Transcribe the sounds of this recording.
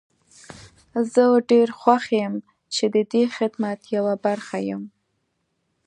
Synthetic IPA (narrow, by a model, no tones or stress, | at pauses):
zəwɖeɾxwaxejəm | t͡ʃed̪əd̪exɪd̪mat̪jawabaɾxajəm